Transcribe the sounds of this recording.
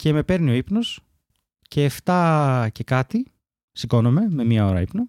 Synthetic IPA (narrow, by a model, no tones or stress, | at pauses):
ce̞me̞pe̞ɾnio̞ipno̞s | ce̞ːft̪ɐce̞kɐt̪i | siko̞no̞me̞me̞miɐo̞ɾɐ̰ipno